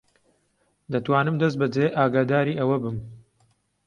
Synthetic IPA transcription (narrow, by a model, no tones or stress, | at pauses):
d̪ɐt̪waːnɨmd̪ɐs̬t̪bɐd͡ʒeːʔaːɡaːd̪aːɾiːʔɐwɐbɨm